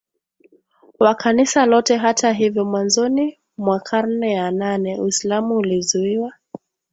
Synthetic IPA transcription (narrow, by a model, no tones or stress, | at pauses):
wakʰanisalɔtɛɦatʰaɦivjɔmwanzɔni | mwakʰan̩nɛjananɛuislamuːlizuiwa